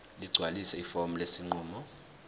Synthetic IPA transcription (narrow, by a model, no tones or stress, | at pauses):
liɡ͡ǀʱwalisɛifomulesiŋ͡ǃuːmɔ